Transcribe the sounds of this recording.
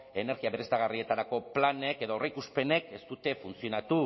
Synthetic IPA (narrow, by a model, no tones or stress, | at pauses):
e̞ne̞ɾɣiaβe̞ɾest̪aɣ̞arie̞t̪aɾako̞plane̞ke̞ðooreikuspe̞ne̞ke̞st̪ut̪e̞funt͡sio̞nat̪u